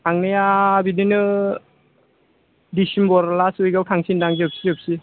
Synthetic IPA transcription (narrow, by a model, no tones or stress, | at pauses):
tʰaŋnijabidinɯ | disimbɔɾlasujɡawtʰaŋsindaŋziəp̚siɯp̚si